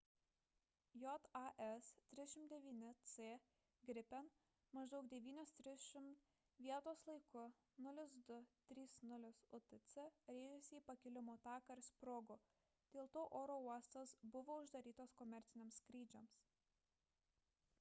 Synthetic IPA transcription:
jɔt̪ɑʔɛst̪ʲɾʲɪzʲʃʲɪmt̪̚d̪ʲɛʋʲiːnʲɪt̪seː | ɡɾʲɪpʲɛn | mɐʒd̪ɒʊk̚d̪ʲɛʋʲiːnʲoːst̪ʲɾʲɪʃʲɪmt̪ | ʋʲiɛt̪oːslˠɐɪkʊ | nʊlʲɪsd̪ʊt̪ʲɾʲiːsnʊlʲɪsʊt̪ɪt̪sʲɛɾʲeːjɛsʲɪiːpɐkʲɪlʲɪmoːt̪ɑːkɐɾspɾoɡʊ | d̪̥ʲeːlˠt̪oːʔoːɾoːuɔst̪osbʊʋoːʊʒd̪ɐɾʲiːt̪oːskɔmʲɛɾʲt̪sʲɪnʲeɛmskɾʲiːd͡ʒʲoms

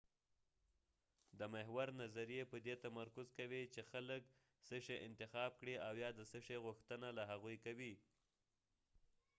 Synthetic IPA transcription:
d̪əmɪɦwaɾnazaɾijepəd̪et̪amaɾkʊzkawit͡ʃexalək | səʂeʔɪnt̪ɪxɑb̚kɽiawjɑd̪əsəʂeɣʊxt̪ənalaɦaɣujkawi

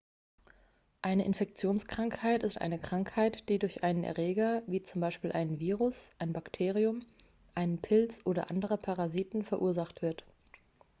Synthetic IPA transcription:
ʔaɪnəʔɪnfɛk̚t͡sjoːnskʁ̥aŋkhaɪtɪstʔa̰ɪnəkʁ̥aŋkhaɪtd̥iːdʊɐçʔaɪnənʔɛ̰ɐʁeːɡɐviːt͡sʊmbaɪʃpiːlʔaɪnənviːʁʊsʔaɪnbaktʰeːʁiʊm | ʔaɪnənpʰɪlt͡sʔoːdɐ̰ʔandəʁ̞əpʰaʁaziːtn̩fɛɐʔuːɐzaχtv̥ɪɐt

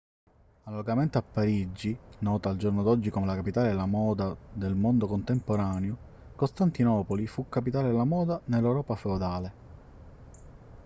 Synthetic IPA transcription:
alːoɡament̪eapːaɾid͡ʒːinɔːt̪aːld͡ʒornod̪ɔd͡ʒːikomelakapit̪aːlelamɔːd̪ad̪elmond̪okont̪empoɾaːnjo | kost̪ant̪inɔːpolifukːapit̪aːlelamɔːd̪anelːewɾɔːpafeod̪aːle

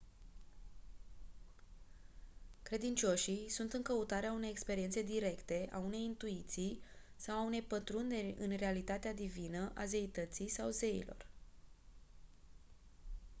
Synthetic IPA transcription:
kɾe̞d̪int͡ʃo̞ʃisunt̪ɨŋkəut̪aɾeaune̞jekspe̞ɾint̪se̞d̪iɾe̞kt̪e̞ʔa̰une̞jint̪uit̪sij | sawaune̞jpət̪ɾund̪erʲɨnre̞alit̪at̪ead̪ivinəʔaze̞it̪ət̪sijsawze̞ḭlo̞̰r

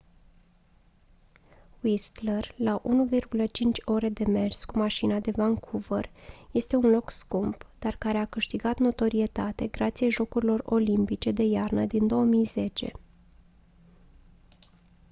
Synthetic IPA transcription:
wist̪lerlaʔunuvirɡulət͡ʃint͡ʃʲo̞ɾe̞d̪e̞me̞rskumaʃinad̪e̞vaŋkʰuvərje̞st̪e̞unlo̞kskumpd̪̥arkaɾe̞akɨʃt̪iɡat̪no̞t̪o̞ɾie̞t̪at̪e̞ɡɾat̪sijeʒo̞kuɾilo̞ro̞̰limpit͡ʃe̞d̪e̞jarnəd̪ind̪o̞wəmijze̞t͡ʃe̞̰

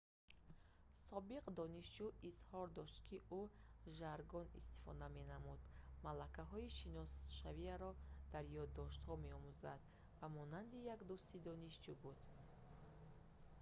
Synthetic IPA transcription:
sɔbiqd̪ɔniʃd͡ʒuishɔɾd̪ɔʃt̪kʰiʔuʒaɾɡɔnḭst̪i̥fɔ̰d̪ame̞namud̪malakaɦɔiʃinɔsʃaviaɾɔd̪̥aɾjɔd̪ːɔʃt̪hɔme̞ɔmuzad̪ | vamɔnand̪ijakd̪ust̪id̪ɔniʃd͡ʒubud̪̥

